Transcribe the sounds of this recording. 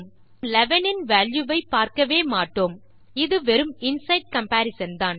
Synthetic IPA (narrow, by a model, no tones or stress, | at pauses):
m | lɛʋɐnɪnʋaːljɯʋɐɪpaːɾkɐʋeːmaːʈːoːm | ɪðɯʋɛɾɯmɪnsɐɪʈ̚kɐmpaːɾɪsɐnd̪aːn